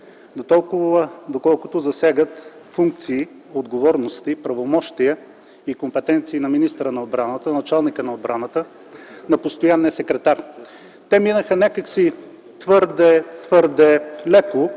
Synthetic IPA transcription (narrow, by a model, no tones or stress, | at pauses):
d̪ot̪ɔlˠkʊvəd̪okɔlˠkʊt̪ʊzɐsaɡət̪fuŋk̚t̪siː | od̪ɡovɔɾnost̪ipɾɐvomɔʃt̪ijə | ikompɛt̪ɛnt̪siːnɐminist̪əɾənɐod̪bɾanət̪ənɐt͡ʃalˠnikənɐod̪̚bɾanət̪ə | nɐpost̪ojanːiəsɛkɾɛt̪aɾ | t̪ɛminəxənʲɛkəksi | t̪vɤɾd̪ɛt̪vɤɾd̪ɛlɛko